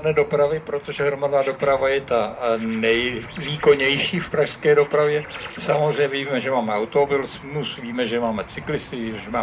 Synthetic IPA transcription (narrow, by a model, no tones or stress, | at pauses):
dnɛːdo̞pɾavɪpɾo̞t̪o̞ʒɛɦɾomadnaːdo̞pɾavajɛt̪anɛjviːkoɲɛjʃiːfpɾaʃskɛːdo̞pɾavjɛsamozr̝ɛjɲɛviːmɛʒɛmaːmɛawt̪oobɪlsmusviːmɛʒɛmaːmɛt͡sɪklɪst̪ɪɛmaː